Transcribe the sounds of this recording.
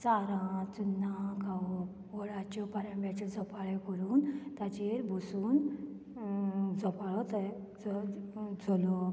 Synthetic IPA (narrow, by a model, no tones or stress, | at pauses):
t͡saɾãt͡sunːakaʋɔ | ɔɭat͡ɕɔpaɾãmbat͡ɕɔd͡zɔpaɭekəɾuːnt̪jat͡ɕeɾbʱusuːn | d͡zɔpaɭɔt̪ə | d͡z | d͡zʱɔlɔ